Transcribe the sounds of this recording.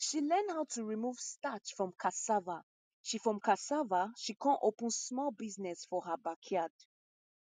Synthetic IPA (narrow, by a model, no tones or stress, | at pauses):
ʃilɜ̃ndhaʊtʰuɹimuv̥statfɹɔ̃mkʰasava | ʃifɹɔ̃mkʰasavaʃikʰɔ̃ʔopə̃nsmɔlbiznɛsfɔhabakʰiad̥